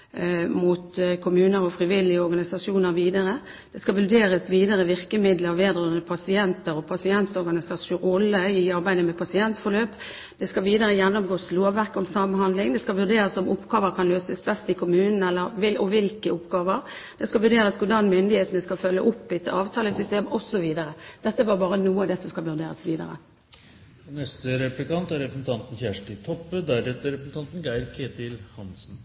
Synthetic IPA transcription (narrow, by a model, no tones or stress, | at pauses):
muːt̪kʰʊmʉːnəɾɔfʁɪʋɪlɪəɔɾɡɑnɪsɑʂuːnəʁʋiːd̪əʁə | d̪̥ɛskɑʋʉd̪eːɾəsʋiːd̪əʁəʋɪʁkəmɪd̪ləʋeːd̪ʁɔnəpʰɑsɪɛnt̪əɾɔpʰɑsɪɛnt̪ɔɾɡɑnɪsɑsʊɔlːəɪɑɾbæɪd̪əmɛpʰɑsɪɛnt̪fɔʁløːp | d̪̥ɛskɑʋiːd̪əɾəjɛnːɔmɡoːsloːʋæʁkɔmsɑmnhɑnd̪lɪŋd̪ɛskɑʋʉʁd̪eːɾəsɔmʊpːɡɑːʋəɾkʰɑnløːsəsbɛst̪ɪkʰʊmʉːnn̩ɛlːəɾʋɪlɔʋɪlkəʊpɡɑːʋəʁd̪ɛskɑʋʉʁd̪eːʁəskʰʊɖɑnmʏnd̪ɪheːt̪ənəskɑfœlːəʔʊpːɪt̪əɑːʋt̪ʰɑːləsʏst̪eːmɔsɔʋiːd̪əɾəd̪̥ɛt̪ːəʋɑʁbɑːɾənuːəɑd̪ɛsɔmskɑlʋʉʁd̪eːʁə̰sʋiːd̪ə̰ɾə̰ | nɛst̪əɾɛplɪkɑnt̪æɾɛpɾəsn̩t̪ʰɑnt̪n̩çæʂʈɪt̪ʰɔpːəd̪æɾɛt̪əɾɛpɾəsn̩t̪ɑnt̪n̩ɡæɪɾkʰeːt̪ɪlhɑnsn̩